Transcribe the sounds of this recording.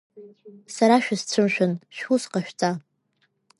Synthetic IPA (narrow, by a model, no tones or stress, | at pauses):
saɾaʃᶣast͡ɕʷʰɨmʃᶣʊnʃᶣusqaʃᶣt͡sʼa